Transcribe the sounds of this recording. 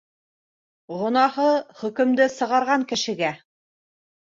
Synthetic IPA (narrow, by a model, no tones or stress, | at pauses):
ʁŏnɑhɤχɵ̆kɵ̆md̪ɘsɤ̆ʁɑɾʁɑŋkɘ̆ʃɘ̆ɡæ